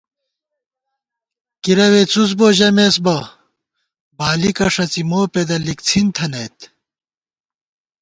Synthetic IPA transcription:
kiɾɐwet͡sut͡sboːʑɐmesbɐ | baːlikɐʂɐt͡simoːped̪ɐlikt͡sʰint̪ʰɐnɐt̪

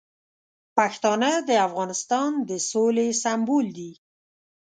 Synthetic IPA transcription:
paxt̪ɑnəd̪əafɣɑnɪst̪ɑnd̪əsolesambold̪i

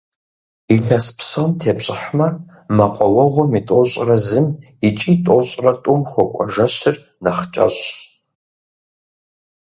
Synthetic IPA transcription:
iɬɐspsontʰeːpɕʼɪħmɐ | mɐqʷʼɔwɐʁʷɔmitʼoɕʼrɐzɨm | it͡ʃʼiːtʼoɕʼrɐtʷʼʊmxʷɔkʷʼɔ̰ʒɐɕɪr | nɐχt͡ʃʼɐ̰ɕʼ

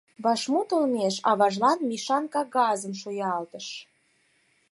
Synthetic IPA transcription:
βɑʃmot̪olmeʃɑ̰βɑʒlɑnmiʃɑnkɑɡɑzəmʃojɑlt̪əʃ

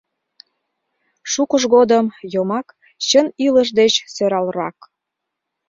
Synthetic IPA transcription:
ʃukəʒɣod̪əmjomɑk | t͡ɕəniləʒd̪et͡ɕsøɾɑlrɑ̰k

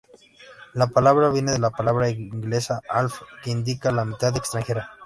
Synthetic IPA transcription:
lapalaβɾaβjeneðelapalaβɾaiŋɡlesaalfkeind̪ikalamit̪aðekst̪ɾaŋxe̞ɾa

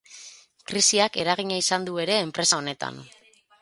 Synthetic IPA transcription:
kɾisiake̞ɾaɣiɲaisand̪ue̞ɾe̞ːmpɾe̞sao̞ne̞t̪a̰n

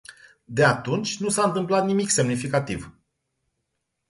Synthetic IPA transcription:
d̪e̞at̪unt͡ʃʲnusaɨnt̪ɨmplat̪nimikse̞mnifikat̪iv

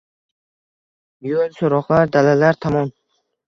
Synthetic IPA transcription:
jolsoɾɒqlaɾd̪alalaɾt̪ʰɒmɒn

